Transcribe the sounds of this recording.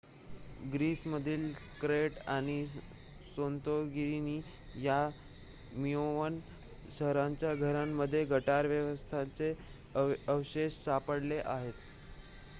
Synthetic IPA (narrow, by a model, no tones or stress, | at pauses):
ɡɾiːsməd̪ʱiːlkɾeʈaɽ̃i | sont̪oɡiɾiniː | ja | mijoʋən | səɦɾãɲt͡ɕjaɡʱəɾamːəd̪ʱːjeɡʱəʈaɾʋjəʋəst̪ʰat͡se | əwɕeɕsapəɽleʔaɦet̪